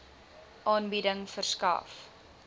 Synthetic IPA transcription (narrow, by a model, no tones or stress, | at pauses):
ʔɑːnbidəŋfərskɐ̰f